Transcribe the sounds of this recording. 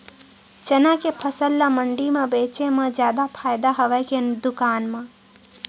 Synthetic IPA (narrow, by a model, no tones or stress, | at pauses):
t͡ʃənakepʰəsəlːaməɳɖimẽbet͡ʃemẽd͡ʒjaːd̪apʰaːjd̪aɦəʋɛkend̪ʊkaːnmã